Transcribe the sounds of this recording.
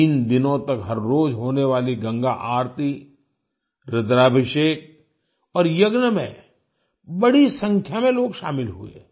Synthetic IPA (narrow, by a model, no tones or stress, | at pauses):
iːnd̪ɪnõt̪ɐkɦɐɾːoːd͡ʒɦoːneʋaːliɡɐ̃ŋɡaʔaːɾt̪i | ɾɪd̪ɾaːbʱɪʃeːk̚ | ɔːɾjɐɡnəmḛ̃ | bɐɽisɐ̃ŋkʰjamẽloːɡʃa̰ːmɪlɦuḛː